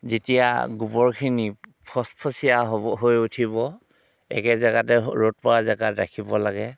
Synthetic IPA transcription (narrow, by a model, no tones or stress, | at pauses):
zitija̰ɡupɔɹkʰinipʰɔspʰɔsijaɦɦojutʰibɔ | ɛ̰kɛzaɡatɛɹot̚pɔɹazaɡatɹa̰kʰibɔlaɡɛ